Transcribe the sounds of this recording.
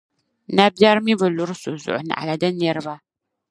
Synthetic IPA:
na˦ba˦ɾmi˦bɨ˨lʊ˦ɾɨ˦so˨zʊ̰˨ʔʊ˨nɨ̰˨ʔa̰˨la˨dɨ˦nɛ˦ɾɨ˦ba˦

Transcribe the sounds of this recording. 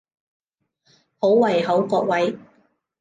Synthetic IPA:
ho˨˥wwɐ˨˩jɦɐ˨˥wkɔː˧k̚wɐ˨˥j

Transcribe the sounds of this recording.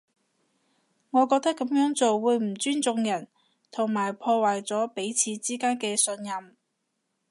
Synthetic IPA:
ŋɔː˨˧kɔː˧k̚t̪ɐ˥kːɐ˨˥mjœː˨˥ŋt͡so˨wːuː˨˧jm̩˨˩t͡ʃyː˥nt͡sʊ˨˧ŋjɐ˨˩n | t̪ʰʊ˨˩ŋmaː˨˩jpʰɔː˧waː˨˩jt͡sɔː˨˥pe˨˥jt͡sʰiː˨˧t͡siː˥kaː˥nkɛː˧sɵ˧njɐ˨m

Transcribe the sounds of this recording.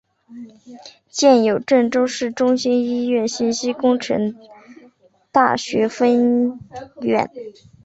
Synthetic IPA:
t͡ɕjɛ˥˩njo˨˩ʊʈ͡ʂə˥˩nʈ͡ʂo˥ʊʂɻ̩˥˩ʈ͡ʂʊ˥ŋɕi˥ni˥ɥɛ˥˧nɕi˥˩nɕi˥kʊ˥ŋʈ͡ʂʰə̰˧˥ŋ | t̪a̰˥˩ɕɥɛ˧˥fə˥n | ɥɛ̰˨˩˦n

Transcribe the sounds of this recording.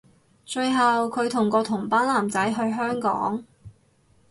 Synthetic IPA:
t͡ʃɵ˧ɥɦɐ˨wkʰɵ˨˧ɥt̪ʰʊ˨˩ŋkɔː˧t̪ʰʊ˨˩ŋpaː˥nlaː˨˩mt͡sɐ˨˥jɦɵ˧ɥɦœː˥ŋkɔ̰ː˨˥ŋ

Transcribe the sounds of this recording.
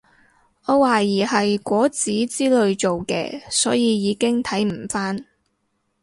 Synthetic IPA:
ɔː˨˧waː˨jiː˨˩hɐ˨jkʷɔː˨˥t͡siː˨˥t͡siː˥lɵ˧ɥt͡so˨wkɛ̰ː˧sɔː˨˥jiː˨˧jiː˨˧kɪ˥ŋt̪ʰɐ˨˥jm̩˨˩faː˥n

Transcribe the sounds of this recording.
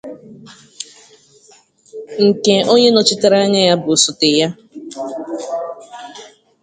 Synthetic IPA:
ŋ̩˨ke˨o˦ɲe˦nɔ˨t͡ʃɪ˦te˦ɾa˦ɲa˦ja˦bʊ˨sʊ˨tɪ˨ja˦

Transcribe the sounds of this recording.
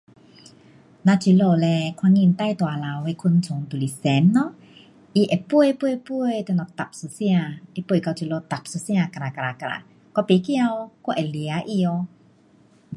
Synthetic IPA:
na˧t͡ʃi˧lo˧˨lɛ˧kʰwa˧ŋi˧˨nt̪a˧˨jt̪wa˨la˨wwe˧˦kʰu˧˥˨nt͡sʰʊ˨˦ŋt̪u˨li˨sɛ˨˦nːɔ˦ | ʔi˧ʔɛ˨pu˥˧ə˨jpu˧˨˧pu˧ə˨jt̪ɛ˧nɔ˨t̪a˨p̚su˧˨si˧a˧ʔi˧pu˧˩˨ka˧˩t͡ʃi˧˨lo˧t̪a˨p̚su˧˦si˧a˧ka˧ɾa˨ka˧˨ɾa˨ka˧ɾa̰˨ | kɔ˧˦pi˨˧˦ki˧a˧wkɔ˧ʔɛ˨li˧a˦ʔi˧o˧

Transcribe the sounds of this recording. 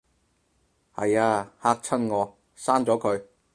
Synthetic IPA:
hɐ˨jaː˧haː˧k̚t͡sʰɐ˥nŋɔː˨˧ | saː˥nt͡sɔː˨˥kʰɵ˨˧ɥ

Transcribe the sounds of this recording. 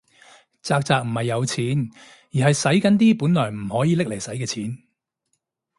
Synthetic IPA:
t͡saː˧k̚t͡saː˨k̚m̩˨˩hɐ˨jːɐ˨˧wt͡sʰiː˨˥n | jiː˨˩ɦɐ˨jsɐ˨˥jkɐ˨˥nt̪̬iː˥puː˨˥nlɔː˨˩jm̩˨˩hɔː˨˥jiː˨˧lɪ˥k̚le˨˩jsɐ˨˥jkɛː˧t͡sʰiː˨˥n

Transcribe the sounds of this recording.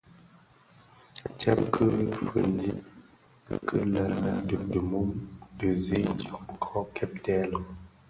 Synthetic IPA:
ta̰˦p̚kʰə˦fə̰˨ndi˦ | kʰə˦la˨na˦də˨də˨mu˦mdə˨ze˦tɔ˨kʰɔ˦kʰɛ˦p̚tɛ˦lɔ˨

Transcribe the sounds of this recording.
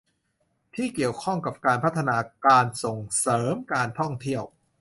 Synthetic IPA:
t̪ʰiː˥˩ki˨˩əwkʰɔ˥˩ŋka˨˩p̚kaː˧npʰa˦˥t̪ʰːa˧naː˧kaː˧nso˨˩ŋsɤː˩˦mkaː˧nt̪ʰɔ˥˩ŋt̪ʰi˥˩əw

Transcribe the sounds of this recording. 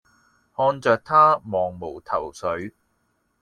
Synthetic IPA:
hɔː˧nt͡ʃœː˨k̚t̪ʰaː˥mɔː˨ŋmo˨˩wt̪ʰɐ˨˩wsɵ˨˥ɥ

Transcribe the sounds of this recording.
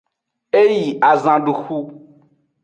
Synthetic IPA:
e˦ji˨a˨zã˨ɖu˨xu˦

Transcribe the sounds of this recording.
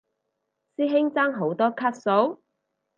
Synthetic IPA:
siː˥ɦɪ˥ŋt͡saː˥ŋɦo˨˥wt̪ɔː˥kʰɐ˥t̚so˨˥w

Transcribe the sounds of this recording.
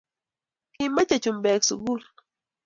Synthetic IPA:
ki˨mba˦t͡ʃe˨t͡ʃu˨mbɛ˨ksṵ˨ɡu˦˨l

